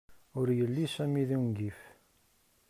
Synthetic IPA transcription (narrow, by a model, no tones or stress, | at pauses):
ʊɾjəlːisæmiðiwnɡif